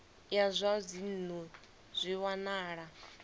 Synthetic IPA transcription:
jazʷazinnu | z̥ʷiwanaːɺa

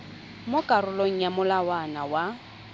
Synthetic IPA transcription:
mʊkʼarʊloŋ̩jamʊlawanawa

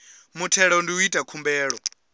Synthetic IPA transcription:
mutʰɛɺaundiwuitʼakʰumbɛːɺɔ

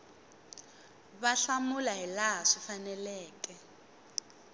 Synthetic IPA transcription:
βaɬamulaɦilaɦaʂifanɛlɛːkɛ

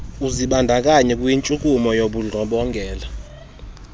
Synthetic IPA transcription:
uziɓandʱak̬ʼaɲɛkʼujint͡ʃʼukʼumɔjoɓuɮʱɔɓɔŋɡʱɛːla

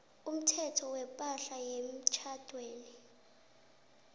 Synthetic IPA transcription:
um̩tʰɛtʰɔwɛpʼaɬajem̩t͡ʃʰad̥ʱweːni

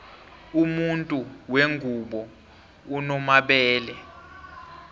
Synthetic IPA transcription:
umuntʼuweŋɡʱuɓɔ | unɔmaɓɛːlɛ

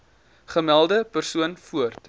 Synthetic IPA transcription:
χəmælˠdəpərsuənfuərt

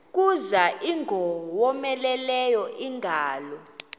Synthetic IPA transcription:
k̬ʼuzaʔiŋʱɔwɔmɛlɛlɛjɔʔiŋɡʱaːlɔ

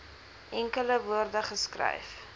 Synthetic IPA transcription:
ʔɛŋkələvuərdəχəskrɐ̰jf

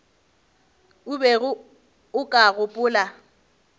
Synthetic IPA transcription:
ʊbɛɣʊ | ʊkʼaɣʊpʼʊːla

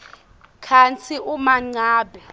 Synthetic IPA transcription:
kʰant͡sʰiʔumaŋ͡ǀaːbʱɛ

